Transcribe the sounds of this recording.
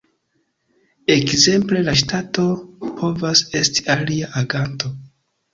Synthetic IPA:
e̞kze̞mple̞laʃ̬tato̞pʰo̞vase̞sti̥aliaʔaɡanto̞

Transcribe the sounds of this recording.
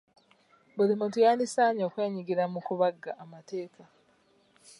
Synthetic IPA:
bulimutujaːndisaːɲo̞ːkwe̞ːɲiɡiɾamukuβaɡaʔːmate̞ːka

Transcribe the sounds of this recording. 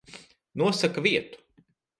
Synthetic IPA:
nuɔsakaviɛt̪u̥

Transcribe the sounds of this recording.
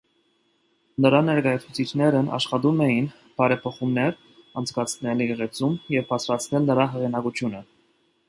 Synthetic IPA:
nəɾɑnɛɾkɑjɑt͡sʰut͡sʰit͡ʃʰnɛɾənʔɑ̰ʃχɑt̪umɛjin | b̥ɑɾɛpʰɔχumnɛɾ | ɑnt͡sʰkɑt͡sʰnɛliʁɛt͡sumjɛvbɑt͡sʰɾɑt͡sʰnɛlnəɾɑɦɛʁinɑkut͡ʃʰjunə

